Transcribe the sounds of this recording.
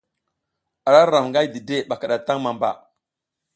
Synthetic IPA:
a˨ɾa˦ɾa˨mŋɡa˦jdi˨de˦ɓa˨ka˨ɗa˨ta˦ŋma˨mba̰˨

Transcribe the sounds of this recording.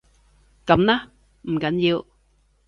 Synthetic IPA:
kə˨˩˦mna˦ | m̩˨˩ka˨˩˦nzi˨ə˨w

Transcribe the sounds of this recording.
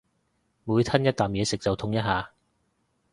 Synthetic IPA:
muː˨˧jt̪ʰɐ˥njɐ˥t̚t̪aː˨˩mjɛː˨˧sɪ˨k̚t͡sɐ˨wt̪ʰʊ˧˥ŋjɐ˥t̚ɦaː˨˧

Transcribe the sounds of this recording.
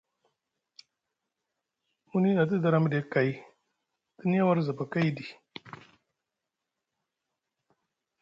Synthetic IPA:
mu˦ni˦na˨t̬i˦da˨ɾa˦mde˨˦ka˨j | ti˦n˦ja˦wa˦ɾza˨ba˨ka˦jdi˨

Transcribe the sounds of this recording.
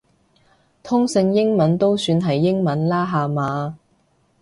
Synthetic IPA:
t̪ʰʊ˥ŋsɪ˧ŋjɪ˥ŋmɐ˨˥nt̪o˥wsyː˧nɦɐ˨jːɪ˥ŋmɐ˨˥nlaː˥ɦaː˨˧maː˨˧

